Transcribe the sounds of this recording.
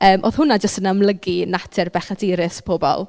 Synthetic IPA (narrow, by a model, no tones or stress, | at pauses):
əːmʔo̰ːðhʊnad͡ʒəstənamlˠəɡinatʰɪrbɛχadiːɾɪspʰoːbɔ̰lˠ